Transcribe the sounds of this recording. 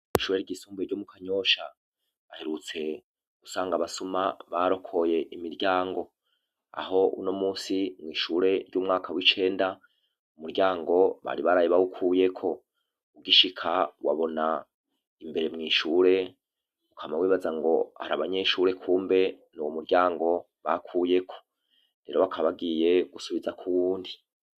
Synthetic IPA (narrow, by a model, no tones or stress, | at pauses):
iʃuːɾeɾɟisuːmbeɾɟomukʰaɲo̞ʃa | βaheɾut͡se̞ | ɡusaːŋɡaβasumaβaɾo̞kʰo̞je̞ʔimiɾɟaːŋɡo̞ | a̰ho̞ṵno̞muːsimŋiːʃuɾe̞ɾɟuːmŋaːkawit͡ʃe̞ːnda | umuɾɟaːŋɡo̞βa̰ɾiβaɾajiβawukʰuːje̞kʰo̞ | uɡiʃikʰawa̰βo̞na | imbe̞ɾe̞mŋiːʃuːɾe̞ | ukʰamawiːβazaŋɡo̞ha̰ɾa̰βaɲe̞ʃuːɾe̞kʰuːmbe̞ | nuwomuɾɟaːŋɡo̞ | βa̰kʰuːje̞kʰo̞̥ | ɾe̞ɾo̞wakʰaβaɡije̞ɡ̥usuβizakʰuwuːndi